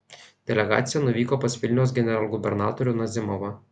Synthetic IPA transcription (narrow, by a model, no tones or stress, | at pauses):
d̪ʲɛlʲɛɡɑ̰ːt̪sʲɪjɛnʊʋʲiːkoːpɐsʲʋʲɪlʲnʲɛʊs̬ɡʲɛnʲɛɾɐlˠɡʊbʲɛɾnɑːt̪ɔɾʲʊnɐzʲɪmɔʋɐ